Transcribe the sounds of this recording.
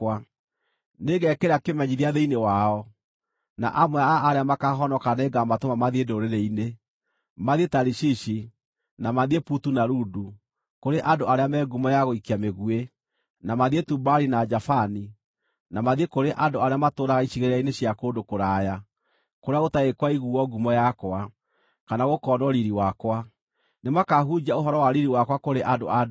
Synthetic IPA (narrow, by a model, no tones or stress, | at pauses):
a | neɣɛkeɾakemɛɲiðiaðeinewaɔ | na̰ʔamwɛaːɾeamakaɦɔnɔkaneɡamatomamaðiedooɾeɾeine | maðietaɾiɕiɕi | namaðieputunaɾudu | koɾeʔandoaɾeamɛːɡumɔjaɣoikiameɣue | namaðietubaɾinad͡ʒafani | namaðiekoɾeʔandoaɾeamatoɾaɣaiɕiɣeɾeaineɕjakondokoɾaja | koɾeaotaekwaiɣuɔɡumɔjakwa | kanaɣokɔnɔɾiɾiwakwa | nemakaɦud͡ʑaoɦɔɾɔwaɾiɾiwakwakoɾeʔando̰a